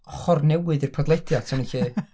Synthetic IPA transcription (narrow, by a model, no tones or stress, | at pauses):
χɔrnɛwɨðɨrpʰadlˠɛd̥jatʰɪniɬiː